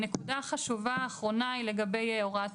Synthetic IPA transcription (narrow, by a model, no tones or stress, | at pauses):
ne̞kudaχaʃuvaːχʁo̞naile̞ɡabe̞joʁat